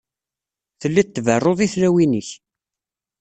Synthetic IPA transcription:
θəlːit̪ːvərˤːoðˤiθɾæwinəç

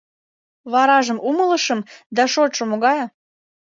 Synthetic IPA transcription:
βɑɾɑʒəmʔumələʃəmd̪ɑʃot̪ʃŏmoɣɑjɑ

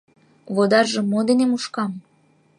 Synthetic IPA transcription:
βod̪ɑrʒɤ̆mːod̪enemuʃkɑm

